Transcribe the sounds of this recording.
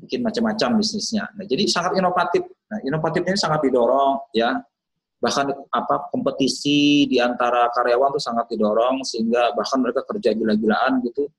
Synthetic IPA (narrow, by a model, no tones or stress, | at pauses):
bikɪnmat͡ʃamːat͡ʃambisnɪsɲa̰nahd͡ʒadisaŋat̪inofat̪ɪf̚nahinovat̪ɪf̚ɲanisaŋat̪̚didoɾɔŋja | bahkanapakɔmpət̪isidiant̪aɾakaɾeawant̪usaŋat̪̚didoɾɔŋsəɦiŋɡabahkanməɾekakərd͡ʒaɡilaɡilaʔanɡit̪u